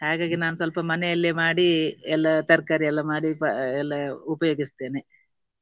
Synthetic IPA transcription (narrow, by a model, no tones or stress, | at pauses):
haːɡaːɡinaːnusɐlpɐmɐnɛjɐlːemaːɽiɛlːɐt̪ɐɾkaːɾiɛlːɐmaːɽipɐɛlːɐupɐjoːɡist̪e̞ːne